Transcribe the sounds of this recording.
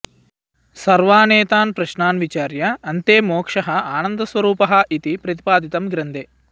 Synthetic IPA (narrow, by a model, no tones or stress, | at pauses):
sɐɾʋaːneːt̪aːnpɾɐʃnaːnʋit͡ʃaːɾjɐːnt̪eːmoːkʂɐɦɐaːnɐnd̪ɐsʋɐɾuːpɐɦɐ̆it̪ipɾɐt̪i̥paːd̪it̪ɐmɡɾɐnd̪eː